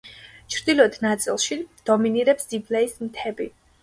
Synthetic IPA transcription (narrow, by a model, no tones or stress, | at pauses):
t͡ʃʰɾd̪ilˠɔd̪nat̪sʼilˠʃid̪̥ɔminiɾɛpsiblɛism̩t̪ʰɛbḭ